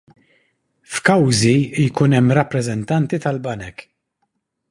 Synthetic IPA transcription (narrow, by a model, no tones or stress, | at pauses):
fkɐwzijkuːnɛmːɾɐpːɾɛzɛnt̪ɐnt̪it̪ɐlbɐnɛk